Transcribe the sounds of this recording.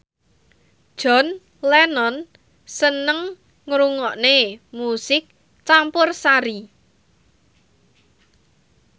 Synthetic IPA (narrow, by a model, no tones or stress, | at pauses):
d̥ʒ̥ɔ̤n | lɛnɔn | sənəŋ | ŋɾuŋɔʔnemusɪk̚ | t͡ʃampʊrsaɾi